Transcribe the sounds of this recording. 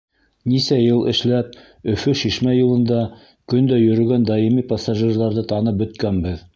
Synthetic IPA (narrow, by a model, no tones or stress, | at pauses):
nisæjɤlˠʔɘ̰̆ʃlæp̚ | ɵ̆fɵʃiʃmæjŭlˠɤ̆nd̪ɑ | kɵ̆nd̪æjɵ̆ɾɵ̆ɡænd̪ɑjimipasaʒirlˠɑɾðɤt̪ɑnɤp̚bɵ̆t̪kænbɘð